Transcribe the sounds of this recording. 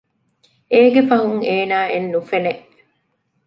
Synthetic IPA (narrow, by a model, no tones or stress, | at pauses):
eːɡefɐɦuŋeːnaːenːufeneʔ